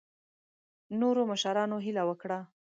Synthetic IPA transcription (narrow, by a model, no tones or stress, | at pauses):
noɾoməʃaɾɑnoɦilawəkɽa